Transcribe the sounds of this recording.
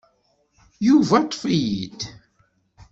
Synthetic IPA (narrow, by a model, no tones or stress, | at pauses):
juvæt̪ˤːfijid̪